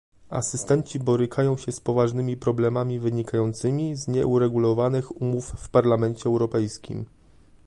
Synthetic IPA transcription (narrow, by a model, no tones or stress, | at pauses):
a̰sɘst̪ɛnt͡ɕibɔɾɘkʰajɔ̃w̃ɕɛspɔvaʐnɘmʲipɾɔblɛmamʲivɘɲikajɔnt̪sɘmʲizɲɛ̰ʔuɾɛɡulɔvanɘxumufːpaɾlamɛnt͡ɕɛːwɾɔpɛjskʲḭm